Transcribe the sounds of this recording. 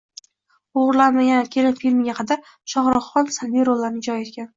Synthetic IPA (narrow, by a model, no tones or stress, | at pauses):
oʁɾlanmaɡʲankʲʰe̞lɪnfilmɪɡʲaqʰɑd̪aɾ | ʃɒʁɾɑχɒnsalbijɾolːaɾnɪd͡ʒɒjet̪̚ɡʲan